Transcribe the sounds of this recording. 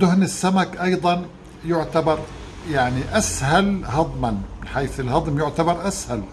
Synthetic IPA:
d̪ʊhnɪsːamakʔɑjd̪ˤɑn | jʊʕt̪abɑɾˤ | jaʕniʔashalhɑd̪ˤmanmɪnħaːθɪlhɑd̪ˤmjʊʕt̪abɑɾˤʔashal

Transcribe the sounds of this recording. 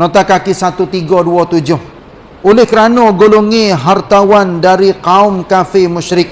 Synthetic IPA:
nɔt̪akakisat̪ut̪iɡɔduɔt̪ud͡ʒʊh | ulɪhkəɾanɔɡoluŋiɦart̪awandaɾikaʊmkafɪmuʃɾɪk̚

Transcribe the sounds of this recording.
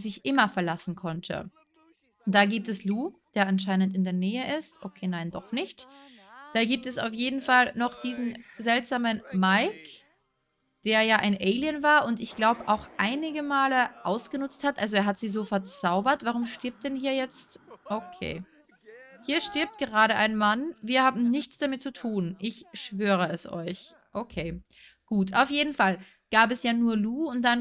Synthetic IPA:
zɪçʔɪmɐfɛɐlasn̩kʰɔntʰə̰ | d̥aːɡiːp̚tɛsluːd̥eːɐʔanʃ̬aɪnəntɪndeːɐnɛːəʔɪstʔokʰeːnaɪndɔχnɪçt | d̥aːɡiːp̚tɛsa̰ʊfjeːdn̩falnɔχd̥iːzn̩zɛltz̥aːmənmaɪk | d̥eːɐjaːʔaɪnʔeɪlijənvaːɐʔʊntɪçɡ̥laʊbəʔaʊxʔaɪnɪɡəmaːləʔaʊsɡ̥ənʊt͡sthatʔalzoeːɐɦatz̥iːzoːfɛɐt͡saʊbɐtv̥aʁ̞ʊmʃtɪɐp̚t̚d̥ɛnhiːɐjɛt͡stʔokʰḛː | hiːɐʃtɪɐp̚t̚ɡ̥əʁaːɾəʔa̰ɪnmanviːɐhaːbm̩nɪçt͡sd̥amɪt̚t͡sutʰuːnʔɪçʃv̥øːʁ̞əɛsɔ̰ʏç | ʔokʰeː | ɡ̥uːtaʊfjeːdn̩fal | ɡ̥aːpɛsjaːnuːɐluːʊnt̚d̥an

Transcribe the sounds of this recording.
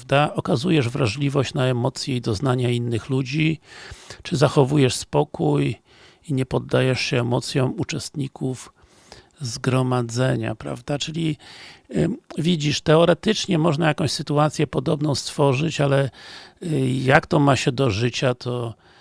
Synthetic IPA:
vd̪aʔɔkazujɛʐvɾaʐlʲivɔɕt͡ɕnaɛmɔt̪sʲjɛid̪ɔznaɲainːɘxlud͡ʑi | t͡ʂɘzaxɔvujɛʂspɔkʰuj | iɲɛpɔd̪ːajɛʂɕɛːmɔt̪sʲjɔ̃w̃ut͡ʂɛst̪ɲikʰuf | zɡɾɔmad̪zɛɲa̰pɾa̰vd̪at͡ʂɘlʲi | vʲid͡ʑiʂt̪ɛɔɾɛt̪ɘt͡ʂɲɛmɔʐnajakɔ̃w̃ɕsɘt̪uat̪sʲjɛpɔd̪ɔbnɔ̃w̃st̪fɔʐɘt͡ɕalɛ | jakt̪ɔmaɕɛd̪ɔʐɘt͡ɕat̪ʰɔ

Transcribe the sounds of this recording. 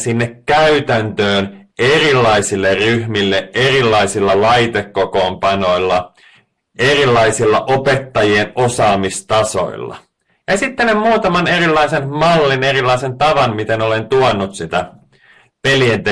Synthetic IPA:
sinːekkæyt̪ænt̪øːnerilːɑisilːerryhmilːeerilːɑijsilːɑlɑjt̪ekːoko̞ːmpɑno̞ilːɑ | e̞rilːɑisilːɑʔo̞pet̪ːɑjienosɑːmist̪ɑso̞̰ḭlːɑ̰ | jɑsit̪ːenemmuːt̪ɑmɑne̞rilːɑisenmɑlːine̞rilːɑise̞nt̪ɑʋɑnmit̪eno̞le̞nt̪uonːut̪sit̪æ | pelient̪e

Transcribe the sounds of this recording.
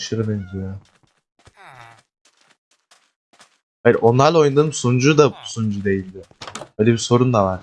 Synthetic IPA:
ʃɯɾd̪ɯjd̪ijø | hajiɾʔonˠaɾlˠojund̪ɯɯmsund͡ʒud̪abusund͡ʒud̪e̞jilʲd̪ɪbøjlʲebiso̞ɾund̪avaɾ

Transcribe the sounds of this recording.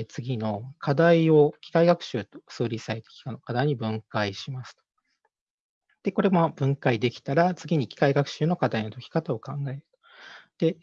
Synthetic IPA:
t͡sɨɡʲino̞kʰad̪aio̞kʲi̥kaiɡakɯ̟̥ɕɨːt̪o̥sɨːɾʲisaet̪e̥kʲi̥kano̞kad̪aiɲ̟ibɯ̟̃ŋkaiɕimasɨ̥t̪o̥ | d̪̥e̞ko̞ɾe̞mob̥ɯ̟̃ŋkaid̪e̞kʲi̥t̪aɾat͡sɨɡʲiɲ̟ikʲi̥kaiɡakɯ̟̥ɕɨːno̞kad̪aino̞t̪okʲi̥kat̪ao̞kãŋɡae̞ɾɯ̟̥t̪o̥d̪̥e̞

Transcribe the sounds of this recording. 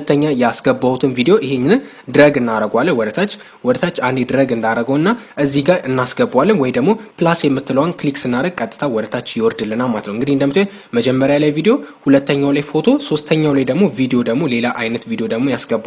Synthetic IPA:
t̪ʰːəɲːajasɡəbːawut̪ʰɨnvid̪ejo̞ʔɪheɲːɪnɨn | d̪ɨɾəɡɨnːaɾəɡʷalːəwɔd̪ət̪ʰat͡ʃː | wɔd̪ət̪ʰat͡ʃːand̪ed̪ɨɾəɡɨnd̪aɾəɡəwɨnːaʔɨzːihɡaɾɨnːasɡəbːwalːɨnwɔjd̪əɡmo̞pɨlasjɛmːɨt̪ːɨləwnkliksɨnːaɾəɡ̚kʼət̪ʼːɨ̥t̪ʰawɔd̪ət̪ʰat͡ʃːjɪwɔɾd̪ɨlːɨnamat̪nəwɨŋɡɨd̪ihɨnd̪əmːɨt̪ʰ | məd͡ʒɛmːəɾjalajvid̪ejo̞hulət̪ʰːəɲːawlajfo̞t̪ʰo̞so̞st̪ʰəɲːawlajd̪əɡmo̞vid̪ejo̞d̪əɡmo̞le̞laʔajnət̪vid̪ejod̪əɡmo̞jasɡəbː

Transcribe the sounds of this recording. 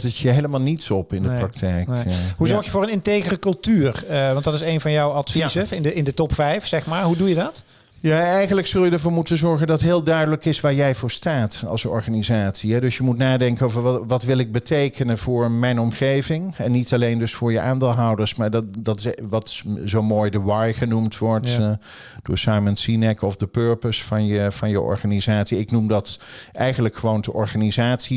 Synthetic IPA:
zitjəɦejləmaːlˠnitsɔpɪndəpprɑk̚tʰɛjkɦuzɔɹχjəvʊːɹənɪntejχərəkɵlˠtyːrʋɑntdɑtɪsejnvɑnjɔwɑtfisɪnəɪndətɔpfɛjfsɛχmaːɹɦudujədɑt | jaːɛjχənləksɵlˠjədəɹvʊːɹmutənzɔɹχəndɑtɦɪːlˠdœɥdələkɪsʋaːɹjɛjvʊːɹstaːtɑ̰lˠsɔ̰ɹχaːnizaːtsiɦɛdøsjəmutnaːdɛŋkənoːvəɹʋʋɑtʋɪlˠɪɡ̚bətejkʰənənvʊːɹmɛjnɔmχejvɪŋɛnːitɑlejndɵsfʊːɹjəʔaːndeːlˠɦɑwdəɹsmaːɹddɑtɪʋɑtzowmoːjdəwɑjχənumtʋɔɹt | d̥ʊ̰ːɹsɑjməntsinɛkɔfdəpøɹpəsfɑnjəvɑnjəʔɔ̰ɹχaːnizaːtsiɪknumdɑtʔɛjχənləkχəʋowndəʔɔɹχaːnizaːtsi

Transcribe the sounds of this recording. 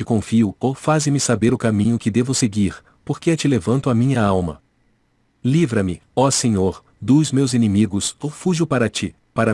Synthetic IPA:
t͡ʃɪkõfiʊofazɪmɪsabeɾʊkamĩɲʊkɪd̪evʊseɡiɾ | poɾkeɛt͡ʃɪlevɐ̃nt̪ʊamĩɲɐawmɐ̰ | livɾɐmɪɔseɲoɾ | d̪uzmewzenemiɡʊsofuʒʊpaɾɐt͡ʃi | paɾɐ

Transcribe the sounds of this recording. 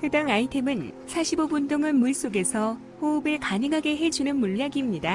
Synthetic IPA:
hɯdaŋaitʰe̞mɯnsʰaɕʰibobundɯŋɯnmuɭs͈oɡe̞sʰʌ | hoːbɯɭkaɲɯŋɦaɡe̞ɦe̞d͡ʑunɯnmuɭːaɡimɲida

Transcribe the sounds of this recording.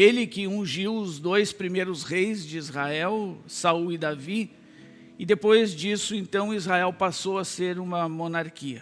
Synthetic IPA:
elɪkɪũʒiwʊzd̪ojspɾimejɾʊzʁejzd͡ʒɪizʁaɛwsauɪd̪avi | ɪd̪epojzd͡ʒisʊẽnt̪ɐ̃w̃izhaɛwpasowɐseɾũmɐmõnaɾkiɐ

